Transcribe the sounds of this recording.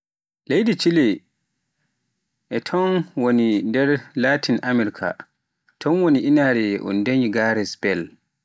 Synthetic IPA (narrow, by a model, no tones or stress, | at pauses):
lejdit͡ʃilɛ | ʔɛtʰɔnwonindɛɾlaːtʰinʔamɛɾkʰa̰ | tʰɔnwoniʔinaɾɛʔɔ̰ndeɲiɡaɾɛsbɛl